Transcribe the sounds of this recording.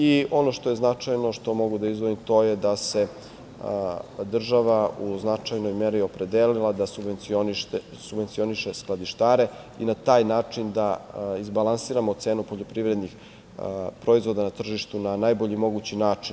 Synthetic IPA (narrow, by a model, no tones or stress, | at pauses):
io̞no̞ʃt̪o̞jeznat͡ʂajno̞ʃt̪o̞mo̞ɡud̪aizʋoimt̪o̞ːjed̪ase̞ | d̪r̩ʒaʋauznat͡ʂajno̞jme̞ɾio̞pɾe̞d̪elilˠad̪asubenioniʃ | subʋe̞nt̪sio̞niʃesklˠad̪iʃt̪aːɾe̞ | inat̪aːjnaːt͡ʂind̪aizbalˠansiːɾamot̪seːnupoʎo̞pɾiʋɾe̞d̪nix | pɾo̞izʋo̞d̪anat̪r̩ʒiʃt̪unanaːjbo̞ʎimo̞ɡut͡ɕinaːt͡ʃin